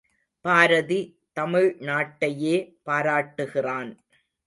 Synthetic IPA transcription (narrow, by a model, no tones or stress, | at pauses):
paːɾɐði | t̪ɐmɪɻnaːʈːɐjeːpaːɾaːʈːɯɣɪraːn